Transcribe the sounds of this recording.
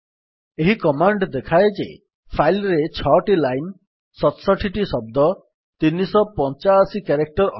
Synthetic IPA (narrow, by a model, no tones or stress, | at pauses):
eɦikɔmaɳɖd̪ekʰaed͡ʒḛ | pʰajlɾet͡ʃʰɔʈilajn | sɔt̪ɔsɔʈʰiʈisɔb̚d̪ɔ | t̪inːisɔpɔnt͡ʃasikeɾek̚ʈɔɾɔ